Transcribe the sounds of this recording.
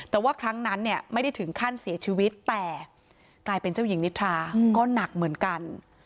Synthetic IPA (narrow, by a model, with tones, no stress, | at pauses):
t̪ɛː˨˩waː˥˩kʰɾa˦˥ŋna˦˥nːi˥˩ɐma˥˩jda˥˩jt̪ʰɯ˩˦ŋkʰaː˥˩nsi˨˩˦ɐt͡ɕʰi˧wi˦˥t̪ːɛː˨˩ | klaː˧jpe˧nt͡ɕa˥˩wji˨˩˦ŋni˦˥t̪ʰaː˧kɔː˥˩na˨˩k̚mɯ˨˩˦ənka˧n